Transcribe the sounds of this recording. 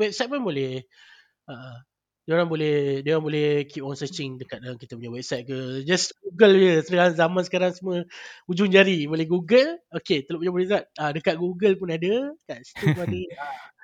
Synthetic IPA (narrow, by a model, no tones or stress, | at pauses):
wɛp̚sajt̪̚punbolɛh | aʔ | doɾaŋbolɛhdewaŋbolɛhkip̚ɔnsət͡ʃiŋdəkat̪̚aŋkit̪əpuɲawɛp̚sajt̪̚kəd͡ʒasɡuɡəljəsədəaanzamãnsə̥kaɾaŋsəmə̃ud͡ʒuɲd͡ʒaɾibolɛhɡuɡəloket̪əlop̬uɲabolizat̪̚adəkat̪̚ɡuɡəlpʊnadəkaʔsi̥t̪uadəa